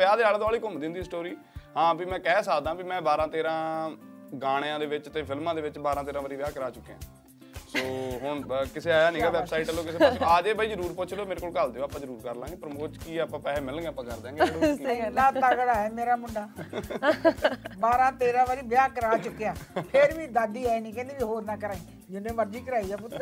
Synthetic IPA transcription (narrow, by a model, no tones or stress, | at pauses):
pɪjaːd̪eːnaːld̪ɔːliːkʊmd̪ɪ̃nd̪iːsʈoːɾiː | ɦãːbiːmɛ̃ːkɛːsaːd̪ãːbimɛ̃ːbaːɾãːt̪eːɾãː | ɡaːɽ̃eãːd̪eːʋɪt͡ʃt̪eːpʰɪlmãːd̪eːʋɪt͡ʃbaːɾãːt̪eːɾãːʋəːɾiːʋɪjaːkəɾaːt͡ʃʊkːejã̰ː | soːɦʊɳkɪseːaːjaːnĩːɡaːʋɛːsaːiʈəloːkɪseːaːd͡ʒeːbaːiːd͡ʒəɾuːɾpʊt͡ʃʰloːmeːɾekoːkald̪eõaːpːãːd͡ʒəɾuːɾkəɾlãːɡeːpəɾmoːt͡ʃkiːapãːpɛːeːmɪlɡeapãːkəɾd̪eãːɡeɽonːãːt̪aːɡəɽaːɦɛːmeːɾaːmʊɳɖaː | baːɾãːt̪eːɾãːʋaɾiːʋɪjaːkəɾaːt͡ʃʊkːejaːpʰɪɾʋiːd̪aːd̪iːaːenĩːkɛ̃nd̪iːʋiːɦoːɾnaːkəɾaːiː | d͡ʒɪnẽːʋəɾd͡ʒiːkəɾaːiaːp̬ʊt̪ː